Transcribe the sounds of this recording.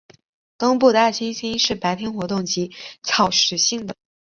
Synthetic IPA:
kɑ˥ŋpu˥˧˩d̪a˥˩t͡ɕʰi˥nɕi˥ŋʂɻ̩˥˩pa˧˥ɪt̪ʰjɛ˥nxwɔ˧˥t̪ʊ˥˩ŋt͡ɕi˧˥t͡sʰɑ˨˩ʊʂɻ̩˨˩ɕi˥˩ŋd̪ə˩

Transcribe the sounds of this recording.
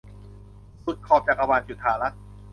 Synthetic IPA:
su˨˩t̪̚kʰɔː˧˩p̚t͡ɕaː˨˩k̚a˧waː˨˩nsu˨˩t̪ʰːaː˨˩ɾa˦˥t̪̚

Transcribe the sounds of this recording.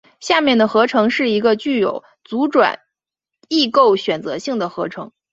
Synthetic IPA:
ɕja˥˧mjɛ˥˩nd̪ə˩xɤ˧˥ʈ͡ʂʰɤ˧˥ŋʂɻ̩˥˩i˧˥ɡə˧t͡ɕy˥˩jo̰˨˩ʊ | t͡su˧˥ʈ͡ʂwa̰˨˩˦n | i˥˧ko˥˩ʊɕɥɛ˨˩nt͡sɤ˧˥ɕi˥˩ŋd̪ə˩xɤ˧˥ʈ͡ʂʰɤ˧˥ŋ

